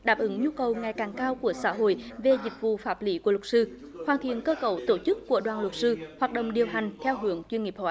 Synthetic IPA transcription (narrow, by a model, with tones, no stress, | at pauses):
ɗaː˨˩p̚ʔɨ˨˦ŋɲu˧kə˨˩wŋa˨˩jkaː˨˩ŋkaː˧wku˧˩əsa̰ː˧˥ɦo̰˧˨jve˨˩zï˨˩k̟̚vṵ˧˨faː˦˥p̚li˧˦ku˧˩əl̚sɨ˧ | xwaː˨˩nt̪ʰḭ˧˨ənkəː˧kə˧˩wt̪o˧˩t͡ɕɨ˦˥kːu˧˩əɗwaː˨˩nlə˨˩t̚sɨ˧hwaː˨˩t̚ɗə̰˧˨wŋ͡mɗi˨˩əwɦa˨˩jŋ̟t̪ʰɛ˧wɦɨ˧˦əŋt͡ɕwi˧nŋi˨˩əp̚hɔ̰ː˧˨˦